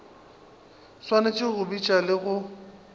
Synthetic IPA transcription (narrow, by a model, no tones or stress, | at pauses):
swanat͡ʃʼɪɣʊbit͡ʃʼalɪɣʊ